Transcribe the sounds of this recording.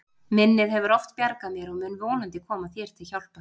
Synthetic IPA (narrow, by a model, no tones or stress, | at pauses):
mɪnːɪðɦɛvʏɾɔft̪pjaɾkaðmjɛɾɔɣmʏnvoːnant̪ɪkʰɔːmaθjɛɾ̥t̪ʰɪlçawl̥pa